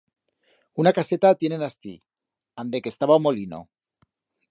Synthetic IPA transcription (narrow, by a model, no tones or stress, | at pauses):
unakaset̪at̪jenenast̪ḭ | and̪ekest̪aβaomolino̰